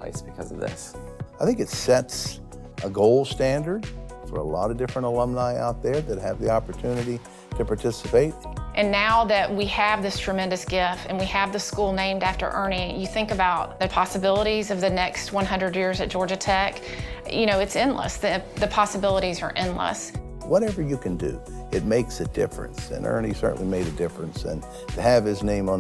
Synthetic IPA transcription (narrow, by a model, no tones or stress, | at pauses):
ḛɪsb̥ɨkʰʌ̰zʌ̰vðɪ̰saɪθɪ̃ŋkɨtsɛts | ʔəɡoʊlˠstæ̃ndə˞d̥fə̰˞ə̰lɔ̰ɾʌdɪfɹə̃ntəlʌ̃mnaɪʔa̰ʊt̪̚ðə˞ðɨt̚hɨvðiɑpə˞tʰʉnɨɾi | ɾɨpʰɑɹtʰɪsəpeɪt̚ʔɨ̃nːaʊðɨt̚wiɨvðɪstʰɹ̥ɨmɛ̃ndɨsɡ̥ɪftɨ̃nwiɨvðɨskulˠnẽɪ̃mdæftə̰˞ʔɜ˞nijɨθɪ̃ŋkɨbaʊt̪̚ðɨpʰɑsɨbɪlˠəɾizʌvðɨnɛkst̚wʌ̃nɦʌ̃ndɹɨd̚jɪɹzɨt̚d̥ʒ̥ɔɹd͡ʒɨtʰɛk | jɨɾ̃oʊɨtsɪ̃nlə̰sðɨðɨpʰɑsəbɪlˠəɾizə̰˞ʔɪ̃nlə̰s | wʌɾɛvə˞jɨkʰɨ̃ndɨ̰ | ɨt̚meɪksɨdɪ̰fɹɨ̰̃nsɨ̰̃nɜ̰˞nisɜ̰˞ʔn̩limeɪɾɨdɪfɹɨ̃nsɨ̰̃n | tʰɨːv̥ɨznẽɪ̃mə̃